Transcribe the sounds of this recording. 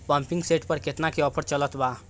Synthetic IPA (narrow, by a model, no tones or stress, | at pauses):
pə̃mpiŋɡseʈpəɾket̪nakeɔpʰəɾt͡ʃələt̪ba